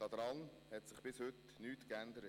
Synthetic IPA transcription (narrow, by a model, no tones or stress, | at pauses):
ɑd̪ɾɑn | hɛtsɪχb̥ɪshʏt | nyːtkænd̪əɾə